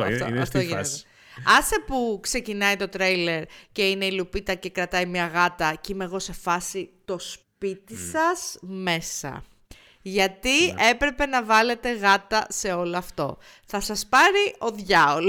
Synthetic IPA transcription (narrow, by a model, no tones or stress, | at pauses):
ft̪o | ɐsepukse̞cinɐit̪o̞t̪ɾejle̞ɾce̞ineilupit̪ɐce̞kɾɐt̪ɐimɲɐɣɐt̪ɐcimeɣo̞se̞fɐsit̪o̞spit̪isɐsme̞sɐ̰ | ʝɐt̪ie̞pɾe̞pe̞nɐvɐle̞t̪e̞ɣɐt̪ɐse̞o̞loɐft̪o̞ | θɐsɐspɐɾio̞ðʝɐol